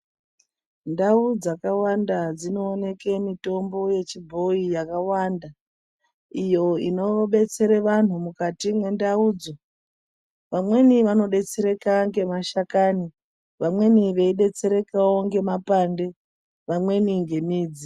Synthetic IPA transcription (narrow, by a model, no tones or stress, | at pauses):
ndaud͡zakawandad͡zino̞ːne̞ke̞mito̞mbo̞je̞t͡ʃibʱo̞ijakawaːnda | ijo̞ino̞ɓe̞t͡se̞ɾeʋan̤umukatimwe̞ndauːd͡zo̞ | ʋamwe̞niʋano̞ɗe̞t͡se̞ɾe̞kaŋɡe̞maʃakaːni | ʋamwe̞niʋe̞iɗe̞t͡se̞ɾe̞kawoŋɡe̞mapande̞ | ʋamwe̞niŋɡe̞miːd͡zi